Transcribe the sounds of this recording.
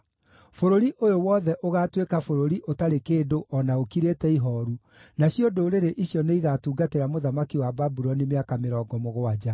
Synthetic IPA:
foɾoɾiʔojowɔːðɛʔoɣaːtwekafoɾoɾiʔotaɾekeːdoʔɔnaokiɾetɛiɦɔɾu | naɕjodoɾeɾeʔiɕjɔneiɣatuːɡateɾamoðamakiwababuɾɔnimeakameɾɔːɡɔmoɣoad͡ʒa

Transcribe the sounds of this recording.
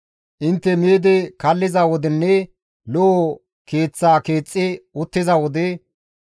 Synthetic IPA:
ʔɪnt̪ːɛmeːd̪ɪkɐlːɪzawɔd̪ɪnːɛ | lɔ | ke̞ːt͡sːaːkeːt͡sʼːɪʊt̪ːɪzɐwɔd̪ɛ

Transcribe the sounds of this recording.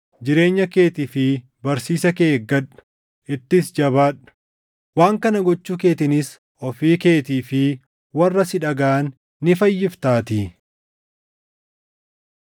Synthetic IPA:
d͡ʒɪɾe̞ːɲːɐke̞ːt̪ifɪ | bɐɾsiːsɐke̞ːɡːɐᶑʊ̥ | ʔɪt̪ːɪsd͡ʒɐβaːᶑʊ̥ | waːŋkɐnɐɡɔt͡ʃːuːke̞ːt̪ɪnɪs | ɔfiːke̞ːt̪iːfɪ | wɐrːɐsɪᶑɐɡaːnː | ɪfɐjːɪft̪aːt̪i

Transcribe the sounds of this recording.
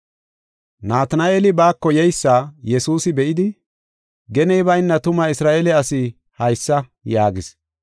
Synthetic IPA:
naːt̪ɐnɐʔeːlɪbaːkːɔjɛjsːaːjɛsuːsɪbɛʔɪd̪ɪ | ɡɛnɛjbɐjnːɐt̪ʊmɐɪsɾaːʔeːlɛɐsɪ | hɐjsːɐ | jaːɡɪs

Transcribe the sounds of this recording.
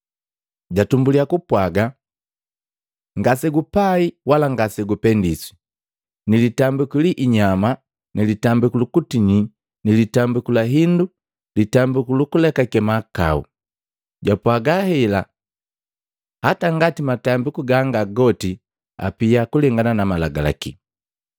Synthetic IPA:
ɟatumbuliakupwaɡa | ŋɡasɛɡupaiwalaŋɡasɛɡupɛndisi̥ | nilitambikiliʔːɲama | nilitambikulukutiɲi | nilitambikulaɦindu | litambikulukulɛkakɛmaka̰ṵ | ɟapwaɡahɛla | hataŋɡatimatambikuɡaŋɡaɡɔti | a̰piakulɛŋɡananamalaɡala̰kḭ

